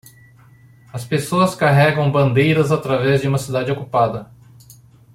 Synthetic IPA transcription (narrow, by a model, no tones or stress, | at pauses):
ɐspesoɐskaɦɛɡɐ̃w̃bɐ̃nd̪ejɾɐzat̪ɾavɛzd͡ʒɪũmɐsid̪ad͡ʒɪokupad̪ɐ